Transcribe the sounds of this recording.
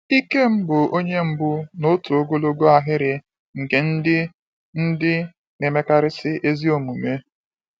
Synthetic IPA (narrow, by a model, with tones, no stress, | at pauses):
i˦ke˦m̩˦bʊ˨ʔo˦ɲe˦m̩˦bʊ˦no˦tu˨o˦ɡo˦lo˦ɡo˦a˨ɦɪ˦ɾɪ˨ | ŋ̩˨ke˨n̩˦dɪ˦ | n̩˦dɪ˦ | me˨me˦ka˦ɾɪ˦sɪ˦ʔe˦zi˦o˨mu˨me˦